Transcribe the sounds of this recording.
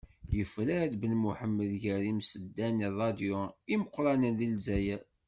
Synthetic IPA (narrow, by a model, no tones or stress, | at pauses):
jəfɾæd̪bəlmuħəmːəðʝæɾimsəd̪ːænirˤɑd̪joiməqːɾˤɑnənðilzæjæ